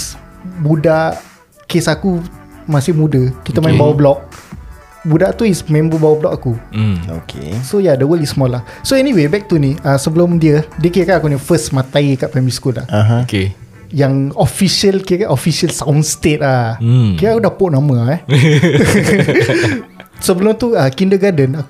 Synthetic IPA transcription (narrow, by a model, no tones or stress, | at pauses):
sbudaʔ | kesakumasɪhmudəkit̪əmãĩmbawəblɔk̚ | budaʔt̪uismɛ̃mbəbawəblɔk̚akuo̰kʰḛsojadəwəlisːmɔlahsoɛniwebɛk̚t̪uniasəbəlomdiədəkiəkanakunifəsmãt̪ajkaʔpɛmiskula̰haɦake | jaŋɔfiʃəlkiəkaʔofisəlsawnst̪et̪̚lakiaakudahpoʔnãməɛ | səbəlʊmt̪uəkindəɡadəna